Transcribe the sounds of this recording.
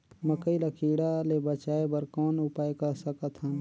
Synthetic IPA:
məkəilakʰiːɽalebət͡ʃaːebəɾkɔːnʊpaːjkɐɾsəkət̪ɦən

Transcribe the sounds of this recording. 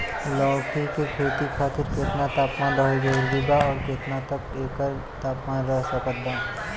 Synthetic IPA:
lɔːkikekʰeːt̪ikʰaːt̪ɪɾkɾet̪nat̪aːpmaːnɾəɦed͡ʒəɾɡibaɔːɾkeːt̪nat̪əp̚eːkəɾ | t̪aːpmaːnɾəɦsəkəd̪aː

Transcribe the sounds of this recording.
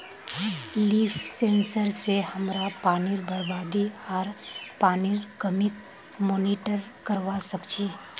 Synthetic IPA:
liːfʰsẽːnsəɾsehɐmɾapaːniɾbəɾbaːd̪iɔːɾpaːniɾkəmɪk | moːniʈəɾkəɾʋasɐkt͡ʃi

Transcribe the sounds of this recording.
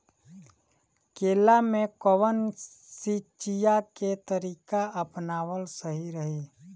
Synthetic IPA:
keːlamẽkowən | sit͡ʃijaket̪əɾiːkaəpnaːwəlsəɦiɾəɦi

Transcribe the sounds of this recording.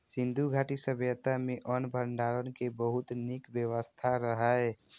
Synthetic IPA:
sɪ̃nd̪ʱuɡʱaːʈisəbjət̪amẽʔɔnbʱəɳɖaːɾənkebəɦʊt̪nɪkbjəwəst̪ʰaɾəɦaɛ

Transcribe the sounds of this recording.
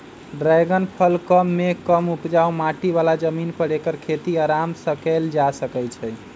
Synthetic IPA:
ɖɾajɡənpʰəlkəmːekəmupd͡ʒaomaʈiʋalad͡ʒəminpəɾekəɾkʰet̪iaɾamsəkɛld͡ʒasəkɛt͡ʃʰɛ

